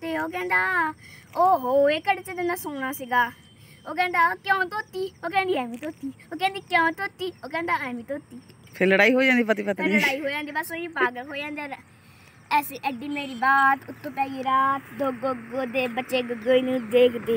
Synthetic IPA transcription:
t̪eːoːk̬ɛ̃ːnd̪aːoːɦoːeːkəɽet͡ʃet̪ɪnãːsoːñaːsiɡaː | oːkɛ̃ːnd̪aːkjõːt̪oːt̪ːiːoːkɛ̃ːnd̪iːɛːʋĩːt̪oːt̪ːiːoːkɛ̃ːnd̪iːkjãːt̪oːt̪ːiːoːkɛ̃ːnd̪aːɛːʋĩːt̪oːt̪ːiːpʰɪləɽaːiːɦoːd͡ʒãːnd̪iːp̬ət̪ipət̪ːlːɽaːiːɦoːd͡ʒãːnd̪iːbəsoːĩːpaːɡəɦoːd͡ʒãːnd̪eɾ | ɛːseːʔɛɖiːmeːɾiːbaːt̪ʊt̪ːõːpɛːɡiːɾaːt̪d̪oɡoɡoːd̪eːbətːʃeːɡɡəiːnũːd̪eːkʰd̪eː

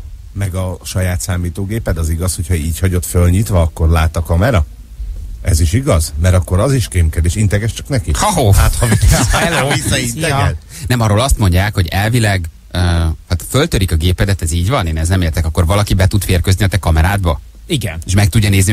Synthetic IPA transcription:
mɛɡɒʃɒjaːt̪saːmiːt̪oːɡeːpɛd̪ɒziɡɒsho̞cʰhɒiːchɒɟo̞t̪følɲit̪ʋɒːkːo̞rlaːt̪ɒkɒmɛɾɒ | ɛ̰ziʃiɡɒzmɛɾɒkːo̞ɾɒziʃkemkɛd̪eːʃint̪ɛɡɛʃt͡ʃɒknɛkihɒɦoːhaːt̪hɒviɡɛslɛisint̪ɛɛl | nɛmɒɾoːlɒst̪mo̞ɲɟaːkho̞ɟɛlvilɛɡ | øhat̪følt̪øɾikɒɡeːpɛd̪ɛt̪ɛziːɟvɒneːnɛznɛmeːrt̪ɛkɒkːo̞rvɒlɒkibɛt̪ut̪feːrkøzniɒt̪ɛkɒmɛɾaːd̪bɒ | iɡɛneːʃmɛk̚t̪uɟːɒneːzni

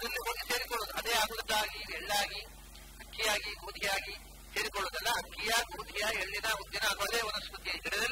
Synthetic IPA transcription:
ɐd̪ɾɐlːiɦoːɡiseːɾikɔɭːoːd̪uɐd̪eːaːɡud̪t̪ːaːɡiɛɭːaːɡi | ɐkʰːijaːɡiɡoːd̪ʱijaːɡi | seːɾikɔɭːoːd̪ɐlːɐɦɐkʰːijɐɡoːd̪ʱijɐeɭːinɐud̪jɐnɐɐd̪ɐd̪eːʋɐnɐskut̪ijɐiɡɛɽɛd̪ɐl

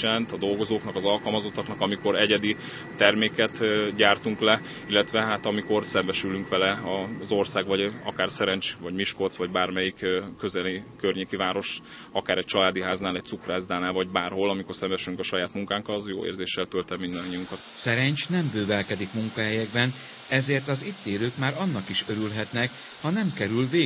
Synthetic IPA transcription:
ɛlɛnt̪ɒd̪o̞lɡo̞zoːknɒkɒzɒlkɒlmɒzo̞t̪ːɒknɒkɒmiko̞ɾɛɟɛd̪iː | ɛrmeːkɛt̪ɟaːrt̪uŋklɛ | ilːɛt̪ʋɛɦaːt̪ɒmiko̞rsɛmbɛʃylyŋkʋɛlɛɒzo̞rsaːɡvɒɟɒkaːrsɛɾɛnt͡ʃvɒɟmiʃkot̪sʋɒɟbaːrmɛjikkːøzɛlikørɲeːkivaːɾo̞ʃ | ɒkaːɾɛc̚t͡ʃɒlaːd̪iɦaːznaːlɛc̪̚ʲsukraːzd̪aːnaːlvɒɟbaːrho̞lɒmiko̞rsɛmbɛʃylyŋkɒʃɒjaːt̪muŋkaːŋkɒlzjo̰ːḛːrzeːʃːɛlt̪ølt̪ɛmːind̪ɒɲːiuŋkɒt̪sɛɾɛɲt͡ʃnɛmbøːvɛlkɛd̪ikmuŋkɒɦɛjɛɡbɛn | ɛzeːrt̪ɒzit̪ːeːløːkmaːɾɒnːɒkiʃø̞ɾylɦɛt̪nɛk | hɒnɛmkɛɾylveː

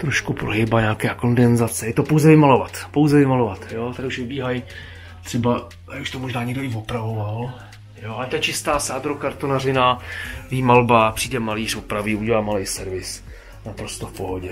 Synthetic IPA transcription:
t̪ɾoʃkupɾoɦɪbaɲaːkɛjako̞ndɛnzat͡sɛjɛt̪o̞powzɛvɪmalo̞vat̪po̞wzɛvɪmalovat̪jot̪akuʃvɪbiːɦaj | t̪r̥ɛba | auʃt̪omoʒnaːɲɪɡdoɪvopɾavoval | joʔalɛt̪ɛt͡ʃɪst̪aːsaːd̪ɾokaɾt̪onarɪnavɪmalbapr̥iːdɛmaliːrvopɾavɪuɟɛlaːmalɛjsɛɾvɪs | napɾo̞st̪o̞fpoɦoɟɛ

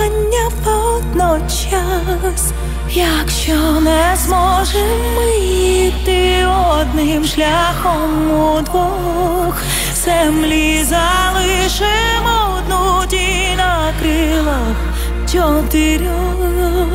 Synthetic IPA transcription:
ɐnʲːɐpɛd̪nɔt͡ʃ | a | sʲ | jakʃɔnɛzmɔʒɛmːɪt̪ɪɔd̪nɪmʂlʲaxɔmud̪ʋɔ | x | z̥ɛmlʲizɐlˠɪʂɪ | mɔd̪nutʲi | nɐ | kɾɪlˠɐ | t͡ʃɔt̪ɪɾʲɔ

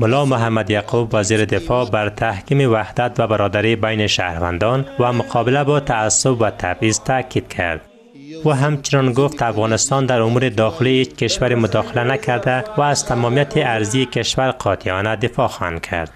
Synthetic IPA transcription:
mʊlɒmʊɦamːad̪jaqubːaziɾid̪ɪfɔbaɾt̪ʰahkimiwahd̪at̪vabaɾɔd̪aɾibajniʃahɾva̰nd̪ɔnwamʊqʰɔbɪlabɔt̪ʰaːsːʊbwat̪ʰabizt̪ʰakid̪kʰa̰ɾd̪ | uɦamt͡ʃɪnɔnɡʊft̪afɣɔnɪst̪ɔnd̪aɾʊmuɾid̪ɒxɪlihet͡ʃkɪʃwaɾimʊd̪ɒxɪlanakʰaɾd̪awaːz̥t̪ʰamɔmijat̪ʰiaɾziːkɪʃwaɾqʰɒt̪ʰiɒnad̪ɪfɒxɔha̰nd̪̚kʰa̰ɾd̪̥

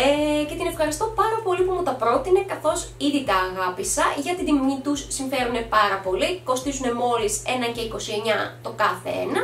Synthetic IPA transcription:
ece̞t̪ine̞fxɐɾist̪o̞pɐɾɐpo̞lipumut̪ɐpɾo̞t̪ine̞kɐθo̞siðit̪ɐːɣɐpisɐʝɐt̪iðimɲit̪usːiɱfe̞ɾune̞pɐɾɐpo̞liko̞st̪izune̞mo̞lise̞nɐce̞iko̞sie̞ɲɐt̪o̞kɐθḛḛnɐ

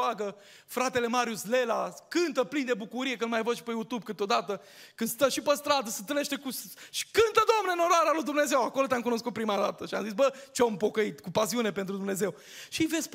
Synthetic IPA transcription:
aɡə | fɾat̪e̞le̞maɾjusle̞lakɨnt̪əplind̪ebukuɾije̞kɨnmajvəʃi̥pejut̪ub̚kɨt̪o̞d̪at̪ə | kɨnd̪st̪əʃipəst̪ɾad̪əsət̪ɾe̞ʃt̪e̞kusʃi̥kɨnt̪əd̪oomnenoɾoaɾealujd̪umne̞ze̞wako̞lo̞t̪eamkuno̞s̬kut̪̚pɾimad̪at̪əʃia̰mzisbət͡ʃeampo̞kəit̪kupasiune̞pe̞nt̪ɾud̪umne̞ze̞w | ʃiivesʲp

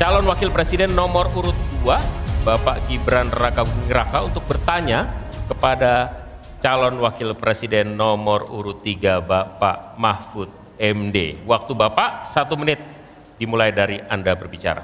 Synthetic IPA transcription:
t͡ʃalɔnwakɪlpɾesidɛnːɔmɔruɾʊt̪̚duabapaʔɡibɾanərakaəŋɾakaunt̪ʊk̚bərt̪aɲakəpada | t͡ʃalɔnwakɪlpɾesidɛnːɔmɔrṵɾʊt̪ːiɡabapa̰ʔmahfut̪̚ | ɛmdḛwak̚t̪ubapaʔsat̪umənɪt̪̚ | dimulajdaɾiandabərbit͡ʃa̰ɾa̰

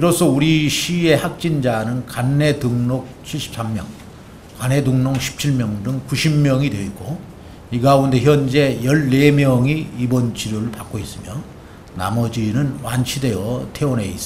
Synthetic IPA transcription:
iɾʌs͈ʰʌuɾiɕʰie̞hak̚t͡ɕ͈ind͡ʑanɯnkanːe̞tɯŋnok̚t͡ɕʰiɭɕʰi̥p̚s͈ʰammjʌ̰ŋ | kane̞duŋnʌŋɕʰi̥p̚t͡ɕʰiɭmjʌŋdɯŋkuɕʰimːjʌŋidwe̞it̚k͈o | iɡaunde̞çjʌnd͡ʑe̞jʌɭːe̞mjʌŋiibʌnt͡ɕʰiɾuɾɯɭpak͈ois͈ɯmjʌ | na̰mʌd͡ʑinɯnwanɕʰide̞jʌtʰe̞one̞̰is͈ʌ

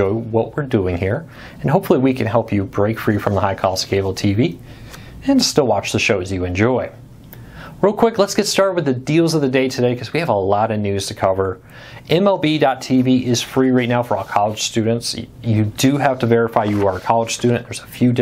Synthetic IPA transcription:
ɔɪwʌʔ̚wɪɹduɪ̃ŋhiɹ | ɨ̃nɦoʊpfl̩ˠiwikʰɨ̃nɦɛlˠpʰjɨbɹeɪkfɹifɹʌ̃mðəhaɪkʰɑlˠəskʰeɪbl̩ˠtʰivi | ɨ̃nstɪlˠwɑt͡ʃðɨʃoʊzjɨɨ̃nd͡ʒɔɪ | ɹilˠkʰw̥ɪklətsɡ̥ɛtstɑɹt̚wɨðɨdilˠzʌvðɨdeɪtʰɨdeɪkʰʌzwiɨvəlɑɾʌvnʉz̥tʰɨkʰʌvə˞ | ʔɛ̃mɛlˠbidɑtʰiviʔɪz̥fɹiɹaɪtⁿnaʊfə˞ɔlˠkʰɑlˠəd̥ʒ̥stʉdⁿn̩tsjɨdɨɦæftɨvɛɹɨfaɪjɨə˞əkʰɑlˠəd̥ʒ̥stʉdⁿn̩ðə˞zəfjʉdɪ

